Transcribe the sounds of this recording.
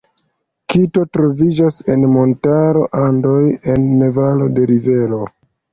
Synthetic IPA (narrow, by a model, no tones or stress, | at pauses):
kito̞tɾo̞vid͡ʒase̞nmo̞ntaɾo̞ʔando̞je̞nːevalo̞de̞ɾive̞ɾo̞